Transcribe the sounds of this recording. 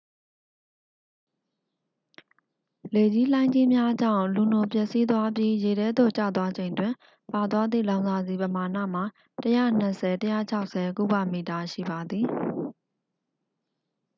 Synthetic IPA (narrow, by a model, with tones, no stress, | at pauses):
le˨d͡ʑi˦l̥ã˦ɪ̃ɲd͡ʑi˦mja˦d͡ʑã̰˦˨ʊ̃lu˨nʊ˨p̬jɛ˦ʔsi˦t̪wa˦pji˦je˨ɾɛ˦d̪o̰˦˨t͡ɕä̰˦˨t̪wa˦d͡ʑẽ˨ɪ̃ntwɪ̃˨ | pa˨t̪wa˦d̪ðḭ˦˨lã˦ʊ̃nza˨zi˨pə˨ma˨na̰˦˨m̥a˨ | təjä̰˦˨n̥ə˨sʰɛ˨təjä̰˦˨t͡ɕʰa˦ʊʔsɛ˨kṵ˦˨ba˦˨mi˨ta˨ʃḭ˦˨ba˨d̪ði˨